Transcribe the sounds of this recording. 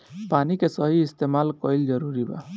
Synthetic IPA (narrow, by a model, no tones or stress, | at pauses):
panikesʌɦiːst̪emalkɔjld͡ʒʌɾuɾiba̰